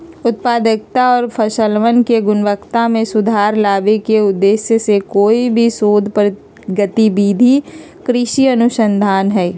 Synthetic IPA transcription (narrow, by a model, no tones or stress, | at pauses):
ʊt̪̚paːd̪ək̚t̪aɔːɾpʰəʃəlʋənkeɡʊnʋəkt̪amẽsʊd̪ʱaːɾlaːbekeʊd̪ːeːsjəsekoːibʱisoːd̪ʱpɾ | ɡət̪ibiːd̪ʱi | kɾɪʃiɐnʊʃə̃nd̪ʱaːnɦɛː